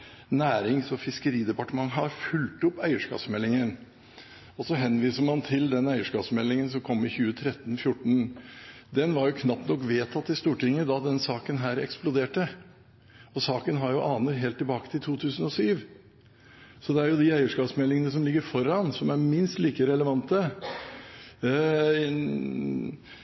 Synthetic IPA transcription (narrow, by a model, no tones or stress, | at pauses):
næːɾɪŋsɔfɪskəɾiːd̪ɛpɑʈəmɑŋɦɑɾfʉlt̪ʊpːæɪəʂkɑ̰ːsmɛlːɪŋən | ɔsɔɦɛnːʋiːsəɾmɑnt̪ʰɪld̪ɛnæɪəʂkɑːsmɛlːɪŋəns̬ɔmkʰɔmːɪçʉːət̪ʰɾɛt̪ːnfjʊʈːɳ̩ | d̪ɛnʋɑɾjʊkʰnɑpːnɔkːʋeːt̪ʰɑt̪ːɪst̪uːʈɪŋːəd̪ɑd̪ɛnsɑːkənɦæːɾɛ̰ksplʊd̪eːʈə | ɔsɑːkənɦɑɾjʊʔɑːnəɾɦeːlt̪ʰːɪlbɑːkə̥t̪ʰɪlt̪ʰuːt̪ʰʉːsənɔsyːʋ | sɔd̪ɛæɾjʊd̪ɪæɪəʂkɑːsmɛlːɪŋənəs̬ɔmlɪɡːəɾfɔɾɑnsɔmæɾmɪnst̪liːkəɾɛləʋɑnt̪ə